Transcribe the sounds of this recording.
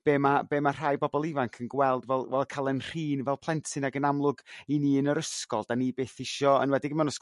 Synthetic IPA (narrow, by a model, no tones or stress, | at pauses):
b̥eːmabeːmar̥ajbɔbɔlˠɪvaŋkʰənɡwɛlˠdvɛlˠvɛlˠkʰalˠənr̥iːnvɛlˠpʰlˠɛntʰɪnaɡənamlˠʊɡiniənəɾəskɔlˠdanibeːθɪʃɔə̰nwɛdɪɡəmɛwnɔs